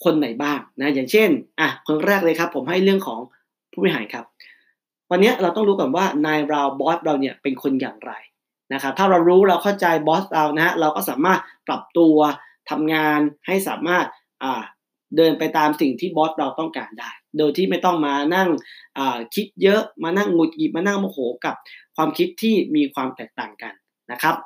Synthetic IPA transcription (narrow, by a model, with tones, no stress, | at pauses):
kʰo˧nːa˨˩jbaː˥˩ŋna˦˥jaː˨˩ŋt͡ɕʰe˥˩nʔa˨˩kʰɯ˥˧ŋɾɛː˥˩k̚lɤː˧kʰa˦˥pʰːo˩˦mɦa˥˩jɾɯ˥˩əŋkʰɔː˩˦ŋ | pʰu˥˩i˧˩ɦaː˩˦jkʰa˦˥p̚ | wa˧nːi˦˥ɐʔɾa˧wt̪ɔ˥˩ŋɾuː˦˥kɔ˨˩nwaː˥˩naː˧jɾa˧wbɔː˦˥t̪̚ɾa˧wni˥˩ɐpe˧nkʰo˧njaː˨˩ŋɾa˧j | na˦˥kʰa˦˥p̚t̪ʰaː˥˩ɾa˧wɾuː˦˥ɾa˧wkʰa˥˩wt͡ɕa˧jbɔː˦˥t̪̚ɾa˧wna˦˥ha˦˥ɾa˧wkɔː˥˩saː˩˦maː˥˩t̪̚pɾa˨˩p̚t̪u˧ɐ | t̪ʰa˧mŋaː˧nha˥˩jsa̰ː˩˦maː˥˩t̪̚ | ʔaː˨˩ | dɤː˧npa˧jt̪aː˧msi˨˩ŋt̪ʰiː˥˩bɔː˦˥t̪̚ɾa˧wt̪ɔ˥˩ŋkaː˧ndaː˥˩jdoː˧jt̪ʰiː˥˩ma˥˩jt̪ɔ˥˩ŋmaː˧na˥˩ŋʔaː˨˩kʰi˦˥t̪̚jɤ˦˥ʔmaː˧na˥˩ŋːu˨˩t̪̚ɡi˨˩p̚maː˧na˥˩ŋmɔː˧˩hoː˩˦ka˨˩p̚kʰwaː˧mkʰi˦˥t̪ʰːiː˥˩miː˧kʰwaː˧mt̪ɛː˨˩k̚t̪a̰ː˨˩ŋka˧nː | a˦˥kʰɾa˦˥p̚